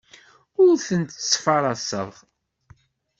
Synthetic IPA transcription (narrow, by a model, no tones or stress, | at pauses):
ʊɾθənt̪sfɑɾˤɑsə̰ðʁ